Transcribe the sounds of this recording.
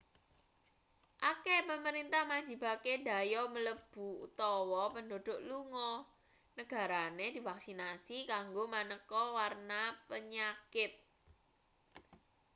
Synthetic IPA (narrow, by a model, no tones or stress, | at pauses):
ʔakepəməɾint̪ahmḁd͡ʒi̤bakeda̤jɔmələb̥ṳṵt̪ɔwɔpəndoɖ̥o̤ʔluŋɔ | nəɡ̥a̤ɾaned̪̥i̤faksinasikaŋɡomanəkɔwarnapəɲakɪt̪̚